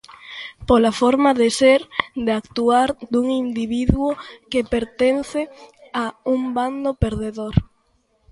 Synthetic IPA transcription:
polafɔɾmaðeseɾd̪eakt̪uaɾd̪uŋind̪iβiðwokepeɾt̪enθɪaumband̪opeɾðeðoɾ

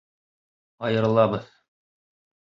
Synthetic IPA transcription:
ɑjɤ̆ɾɤ̆lˠɑbɤð

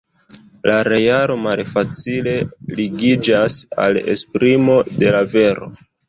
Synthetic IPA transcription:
laɾejaɾo̞malfat͡sile̞liɡid͡ʒasa̰lḛspɾimo̞de̞lave̞ɾo̞̰

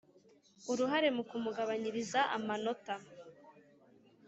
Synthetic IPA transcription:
uɾuɦaɾe̞mukumuɡaβaɲiɾizaʔa̰mano̞ta

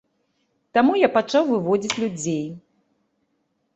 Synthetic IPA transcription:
t̪amujapat͡ʂawvɨvɔd͡zʲit͡sʲlʲud͡zʲej

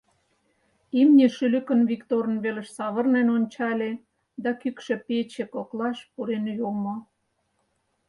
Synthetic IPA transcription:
imnʲeʃylykə̆nβikt̪oɾə̆nβelə̆ʃsɑβə̆rnenonʲt͡ɕɑlʲe | d̪ɑkykʃĕpet͡ɕĕkoklɑʃpuɾenjomo

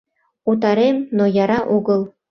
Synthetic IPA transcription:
ut̪̬ɑɾemnojɑɾɑʔuɡɤ̆lˠ

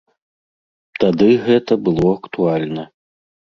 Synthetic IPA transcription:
t̪ad̪ɨɣɛt̪ɐbɨlˠɔɐkt̪ualʲnɐ

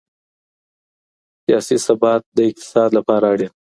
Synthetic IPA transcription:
sijɑsisabɑt̪̚d̪əɪq̚t̪ɪ̥sɑd̪lapɑɾaɽe

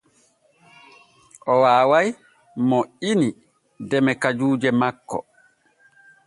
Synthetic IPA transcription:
ʔɔwaːwaj | mɔini | dɛmɛkad͡ʒuːd͡ʒɛmakːɔ̰

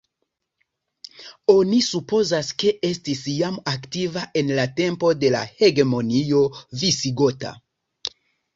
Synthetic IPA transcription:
o̞nisupo̞zaske̞ʔe̞stisjamaktivaʔe̞nlate̞mpo̞de̞la̰he̞ɡe̞mo̞nio̞visiɡo̞ta̰

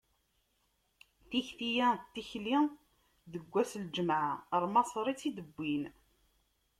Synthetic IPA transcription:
θiçθijæt̪ːiçli | ðəɡʷːæsld͡ʒəmʕaɾˤmɑsˤɾˤit͡sːid̪əbːin

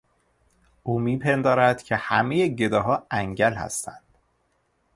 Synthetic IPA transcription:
ʔuːmiːpʰend̪ɒːɾæd̪̥cʰe̞hæmejeɟe̞d̪ɒːɦɒːæŋɟælhæ̰st̪ænd̪̥

